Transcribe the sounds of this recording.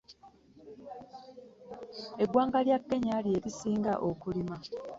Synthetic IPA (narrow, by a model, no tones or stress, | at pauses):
e̞ɡwaːŋɡaljakːe̞ɲalje̞ːɾisiːŋɡa̰ʔokulima